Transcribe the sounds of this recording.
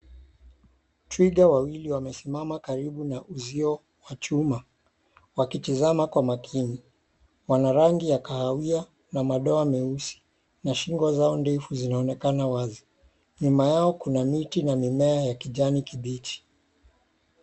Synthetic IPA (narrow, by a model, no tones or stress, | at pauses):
tɾiɡawawiliwamɛsimamakaɾiɓunaʔuziɔ | wat͡ʃuma | wakitizamakwamakʰini | wanaɾaŋɡijakahawia | namaɗɔamɛusi̥ | naʃiŋɡwazaɔndɛfuzinaɔnɛkanawazi | ɲumajaɔkunamitinamimɛajakiʄanikiɓiti̥